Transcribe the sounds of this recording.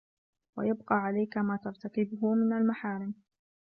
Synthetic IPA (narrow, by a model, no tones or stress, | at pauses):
wa̰jab̚qɑːʕalajkamaːt̪ɑɾˤt̪akɪbʊɦʊmɪnalmaħaːɾɪm